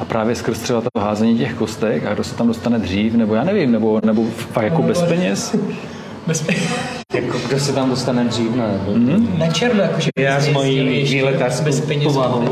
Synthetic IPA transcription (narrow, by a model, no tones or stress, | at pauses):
ʔapɾʔaːvjɛskr̩st̪r̥ɛbat̪at̪oɦaːzɛɲiːcɛxkost̪ɛka̰ɡdosɛ̥t̪amdost̪anɛd̪r̝iːfnɛbo̞jaːnɛvimnɛbo̞nɛbofakjakobɛspɛɲɛs | bɛspɛ | jakoɡdosɛt̪amdost̪anɛd̪r̝iːfnaɛbom̩ɦ̩nat͡ʃɛɾnojakoʒɛjazmajiʒiːlɛk̪aɾsbɛspɛɲɛoaɦo